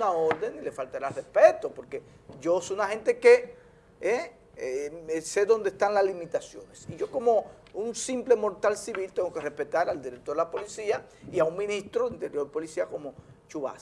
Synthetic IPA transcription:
naoɾðe̞ŋile̞falt̪aɾarespet̪opo̞ɾke̞ | ɟ͡ʝo̞sojunahẽ̞nt̪e̞ke | e | se̞ðo̞nd̪est̪anlaslimit̪asjo̞̰ne̞siʝo̞ko̞mo̞ | unsimple̞mo̞ɾt̪alsiβilt̪eŋɡo̞ke̞re̞spe̞t̪aɾald̪iɾek̚t̪oɾðelapo̞lisiaiauŋmĩnist̪ɾoðint̪e̞ɾjo̞ɾpo̞lisiako̞mo̞ | t͡ʃuβa̰s

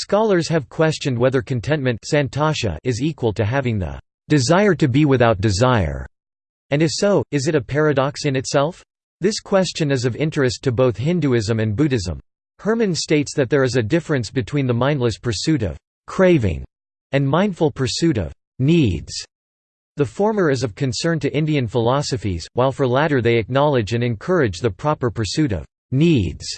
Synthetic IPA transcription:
skɑlˠə˞z̥ɨv̥kʰw̥ɛst͡ʃɨ̃nd̚wɛðə˞kʰɨ̃n̩tʰɛ̃nmɨ̃ntsæ̃ntʰɑʃɨ̰ʔɪzikwəlˠtʰɨɦævɪ̃ŋðə̰ | d̥ɨzaɪə˞d̚tɨbiwɨθaʊt̚d̥ɨzaɪə̰˞ | ɨ̃nɨfsoʊɨzɨɾɨpʰɛɹɨɾɑksɨ̃nɨtsɛlˠf | ðɪskʰw̥ɛst͡ʃɨ̃nɨzʌvɪ̃nt͡ʃɹ̥ɨstʰɨboʊθhɪ̃ndʉɪzɨ̃mɨ̃nbʉɾɨzə̰̃m | hɜ˞mɨ̃nsteɪtsðɨt̪̚ðə˞ɨzɨdɪfɹɨ̃nsb̥ɨtʰw̥ĩnðəmãɪ̃ndˡlɨspʰə˞sʉɾʌ̰v̥ | kʰɹ̥eɪvɪ̰̃ŋ | ɨ̃nmãɪ̃nd̥fl̩ˠpʰə˞sʉɾʌ̰v̥ | nidz̥ | ðɨfɔɹmə˞ɨzʌv̥kʰɨ̃nsɜ̃˞ntɨʔɪ̃ndiɨ̃nfəlɑsɨfḭz̥waɪlˠfə˞læɾə˞ðeɪɨk̚nɑlˠɨd͡ʒɨ̃nɨ̃nkʰɜ˞ɨd͡ʒðɨpʰɹ̥ɑpə˞pʰə˞sʉɾʌ̰v̥ | nidz̥

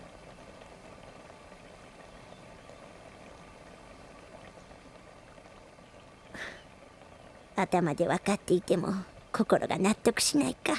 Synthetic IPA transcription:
at̪amad̪e̞βakat̪ːe̞it̪e̞mo̞̰kʰo̞ko̞ɾʔo̞̰ɡa̰nat̪ːo̞kɯ̟̥ɕinaika

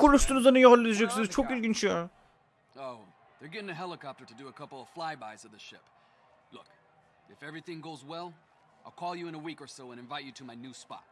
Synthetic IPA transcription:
koləst̪unəzɐnijɔʁəlːiʃeksizt͡ʃʰokilɡint͡ʃʰa | oʊ | ðə˞ɡɛɾɪ̃ŋɨɦɛlˠəkʰɑp̚tə˞ɾɨdɨːkʰʌpl̩ˠflaɪbaɪzʌvðɨʃɪ̰p | lʊk | ɨfɛvɹiθɪ̃ŋɡoʊzwɛlˠ | aɪlˠkʰɔlˠjɨɨ̃ñəwikə˞soʊə̃ñɨ̃ɱvaɪt͡ʃɨɾɨmaɪnʉspɑ̰t̚

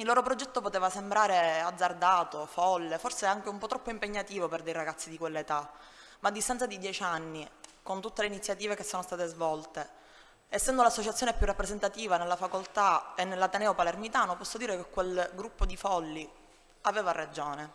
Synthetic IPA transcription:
ilːoːɾopɾod͡ʒɛt̪ːopot̪eːvasembɾaːɾead̪zːard̪aːt̪ofɔlːeforseaŋkeumpɔt̪ːɾɔpːoimpeɲːat̪iːvoperd̪ejraɡat̪sːid̪ikwelːet̪amaːd̪ːist̪ant̪sad̪id̪jɛːt͡ʃanːikont̪ut̪ːeleinit̪sːjat̪iːvekesːoːnost̪aːt̪ezvɔlt̪e | esːɛnd̪olasːot͡ʃat̪sjoːnepjurːapːɾezent̪at̪iːvanelːafakolt̪aenːelːat̪enɛːopalermit̪aːnopɔsːod̪iːɾekekwelɡɾupːod̪ifɔlːi | aveːvarad͡ʒoːne

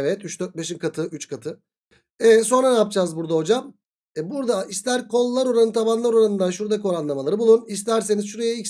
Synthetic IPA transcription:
vɛt̪yt͡ʃd̪øɾt̪̚beʃimkʰat̪ʰɯyt͡ʃkʰat̪ʰɯ | ɛso̞nɾanɛap̚d͡ʒaːzbuɾd̪aɦo̞d͡ʒam | buɾd̪aist̪æɾkʰo̞lˠːaɾo̞ɾanɯt̪ʰabanlˠaɾo̞ɾanɯnd̪anʃuɾd̪akʰoɾanlˠamalˠaɾɯbulˠunis̬t̪æɾse̞nizʃuɾe̞jɛics

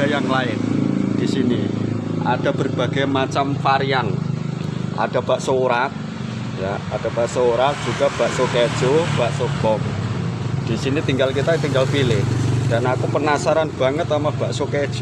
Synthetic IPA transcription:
ajaŋlaɪnd̥isiniʔa̰d̥a̤b̥ərb̥a̤ɡ̥a̤jmat͡ʃamfaɾian | ʔa̰d̥a̤b̥a̤ʔsoɾat̪̚ | jaad̥a̤b̥aʔsouɾat̪̚dʒ̥uɡ̥a̤b̥a̤ʔsoked̥ʒ̥ob̥aʔsob̥ɔŋ | d̪̥isinit̪iŋɡalkit̪at̪iŋɡalpilɪhd̥a̤nakupənasaɾanb̥a̤ŋət̪amab̥aʔsoked̥ʒ̥

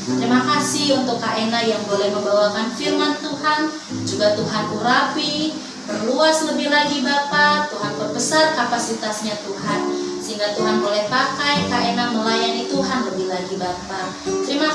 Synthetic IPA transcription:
t̪əɾimakasɪhunt̪ʊkːaʔenajaŋbolɛhməmbawakanfirmant̪uɦan | d͡ʒuɡat̪uɦanʔuɾapi | bərluasləbɪhlaɡibapat̪uɦanbərbəsarkapasit̪asɲat̪uɦansəɦiŋɡat̪uɦanbolɛhpakajkaʔenaməlajanit̪uɦanləbɪhlaɡibapa | t̪əɾima

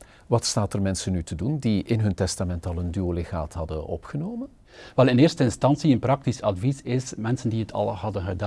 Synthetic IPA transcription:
ʋɑtstaːtərmɛnsənytʰədundiɪnɦɵntɛstamɛntɑlˠəndyolexa̰ːtɦɑdənɔ̰pxənoːmən | ʋɛlˠɪnɪːrstəɪnstɑnsiənprɑk̚tisɑdvisɪsmɛnsəndiɦətʰɑ̰lˠhɑdənɣəda

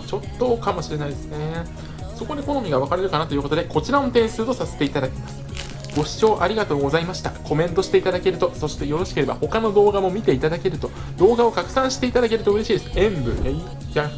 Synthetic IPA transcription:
t͡ɕo̞t̪ːo̞kamo̞ɕiɾe̞naid̪esɨne̞ | so̞ko̞d̪e̞ko̞no̞mʲiɡaβakaɾe̞ɾɯ̟kanat̪o̞jɯ̟ko̞t̪e̞ko̞t͡ɕiɾaõnt̪ẽ̞ɰ̃sɨːt̪o̞sase̥t̪eit̪ad̪akʲe̥masɨ̥ | ɡ̥o̞ɕi̥t͡ɕo̞ːʔaɾʲiɡat̪o̞ːɡo̞zaimaɕi̥t̪ako̞mẽ̞nt̪o̞ɕi̥t̪e̞it̪ad̪ake̞ɾɯ̟t̪o̞so̞ɕi̥t̪e̞jo̞ɾo̞ɕi̥ke̞ɾe̞ba̰ho̞kano̞d̪o̞ːɡamo̞mʲit̪e̞it̪ad̪ake̞ɾɯ̟t̪o̞ | d̪̥o̞ːɡao̞kakɯ̟̥sãɕi̥t̪e̞it̪ad̪ak̬e̞ɾɯ̟t̪o̞ɯ̟ɾe̞ɕiːd̪esɨẽ̞mbɯ̟ | ja

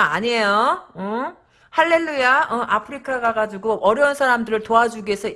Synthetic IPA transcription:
a̰ɲejoʌ | haɭːe̞ɭːujaʌʔapʰɯɾikʰaɡaɡad͡ʑuɡoʔʌɾjʌunsʰaɾamdɯɾɯɭtoad͡ʑuɡiesʰʌ

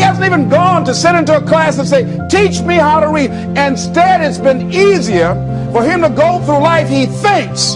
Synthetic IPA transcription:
ihæzn̩tivɨ̃nɡɔ̃ntɨsɪɾɪ̃ntuəkʰl̥æsɨ̃nseɪ | tʰit͡ʃmihaʊɾəɹid̚ | ɪ̃nstɛɾɨtsb̥ɨ̃niziə˞ | fə˞ɪ̃mtɨɡoʊθɹulaɪfhiθɪ̃ŋks

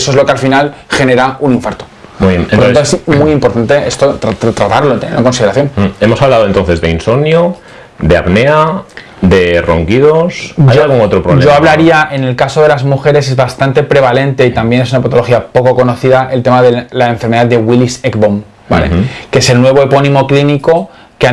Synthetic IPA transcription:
esoezlokealfinalxe̞ne̞ɾaunĩɱfaɾt̪o̥ | omiβjenɾt̪at̪oesmujimpo̞ɾt̪ant̪e̞est̪ot̪ɾat̪t̪ɾat̪aɾlont̪eneɾeŋko̞nsiðeɾaθjo̞ne̞mosaβlaðoent̪o̞nθe̞zðeinsoβnjo | d̪e̞a̰βne̞a | d̪e̞ro̰ŋkiðosajoalɣuŋot̪ɾopɾoβleo̞aβlaɾiaʔe̞ne̞lkaso̞ðe̞lazmuxe̞ɾe̞s̬e̞zβast̪ant̪e̞pɾe̞β̞ale̞nt̪e̞it̪ambje̞ne̞sunapat̪o̞lo̞xiapo̞ko̞ko̞no̞θiðaʔe̞lt̪e̞maðe̞laeɱfeɾmeðaðd̪eɣwilisekbom | ba̰lḛkeese̞lnwe̞β̞o̞epo̞nĩmo̞kliniko̞ | kea

